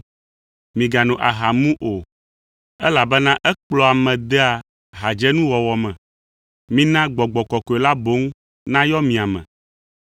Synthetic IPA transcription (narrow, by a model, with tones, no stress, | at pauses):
mĩ˨ɡa˨nũ˨ʔa˨ɦa˨mũ˦ʔo˨ | ɛ˦la˨bɛ˦nã˦ʔɛ˦k͡plɔ˨a˨mɛ̃˨d̪ɛ˦a˨ | ɦa˨d͡ʒɛ˦nũ˦wɔ˨wɔ˨mɛ̃˨ | mĩ˦nã˦ɡ͡bɔ˨ɡ͡bɔ˨kɔ˨kɔ˨e˨la˦bo˦ŋ | nã˦jɔ˦mĩ˨a˨mɛ̰̃˨